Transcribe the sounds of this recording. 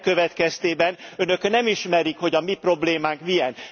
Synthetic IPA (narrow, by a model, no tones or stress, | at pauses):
kːø̞vɛt̪kɛst̪eːbɛnø̞nø̞knɛmiʃmɛɾikho̞ɟɒmipro̞bleːmaːŋkmijɛn